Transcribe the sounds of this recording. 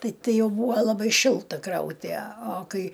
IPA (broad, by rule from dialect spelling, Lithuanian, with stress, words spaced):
ˈtɐɪ ˈtɐɪ ˈjɛʊ ˈbuːʋɐ lˠɐˈbɐɪ ˈʃʲɪlˠtɐ ˈkrɐʊtʲɪ ɐ oː ˈkɐɪ